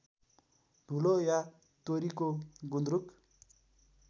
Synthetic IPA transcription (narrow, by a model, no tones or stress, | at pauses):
d̪ʱuloja | t̪oɾikoɡund̪ɾuk